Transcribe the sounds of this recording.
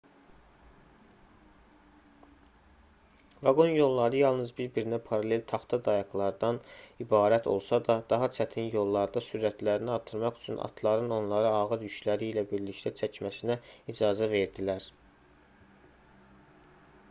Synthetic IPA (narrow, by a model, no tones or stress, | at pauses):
vɑɡo̞njo̞lˠːɑɾɯjɑlˠnɯzbiɾbiɾinæpʰɑɾɑle̞lt̪ʰɑχt̪ʰɑd̪ɑjɑklˠɑɾd̪ɑnibɑːɾæt̪ʰo̞̰lˠsɑd̪ɑd̪ɑɦɑt͡ʃʰæt̪ʰinjo̞lˠːɑɾd̪ɑsyɾæt̪læɾiniɑɾt̪ʰɯɾmɑχy̥t͡ʃʰynɑ̰t̪ʰlˠɑɾɯno̞nlˠɑɾɯɑɣɯɾjyʃlæɾiːlæbiɾlict̪ʰæt͡ʃʰæcmæsinæid͡ʒɑːzæve̞ɾd̪ilæɾ